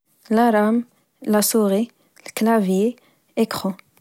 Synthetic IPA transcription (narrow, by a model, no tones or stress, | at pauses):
laɾam | lasuʁi | lklavje | ɛkχo